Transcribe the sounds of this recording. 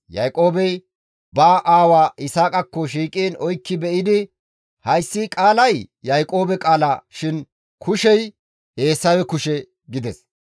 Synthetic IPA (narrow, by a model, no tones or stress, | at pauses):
jɐ̰jkʼo̞ːbɛj | baːʔaːwaːʔɪsaːkʼɐkːɔʃiːkʼiːnɔjkːɪbɛʔɪd̪ɪ | hɐjsːiːkʼaːlɐjjɐjkʼo̞ːbɛkʼaːlaːʃɪn | kʰʊʃɛj | he̞ːsːɐwɛkʊʃɛ | ɡɪd̪ɛs